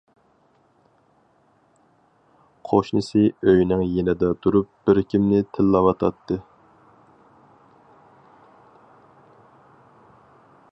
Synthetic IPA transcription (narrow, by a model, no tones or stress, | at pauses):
qʰoʃnɨsɨøjnɪŋjenɪd̪ɛt̪ʰuɾup̚b̥ɪɾkʲimnɪt̪ʰɪlːɑwɑt̪ʰɑ̰t̪ʰːɨ